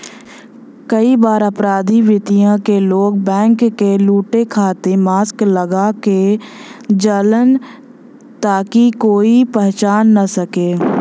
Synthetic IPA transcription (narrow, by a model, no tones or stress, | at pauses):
kəibaːɾəpɾaːd̪ʱiʋɪt̪ijãkeloːɡ̚bɛ̃ːŋkːeluːʈekʰaːt̪emaːskləɡake | d͡ʒələn | t̪aːkikoːipɛɦt͡ʃaːnːasəkeː